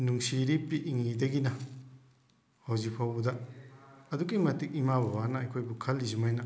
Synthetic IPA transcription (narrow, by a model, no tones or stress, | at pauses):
nuŋsiɾipːiʔːŋidɐɡinɐ | hawzipʰawbudɐ | ɐduɡimɐtik̚imabɐbanɐɐjkʰojbukʰɐlːizimajnɐ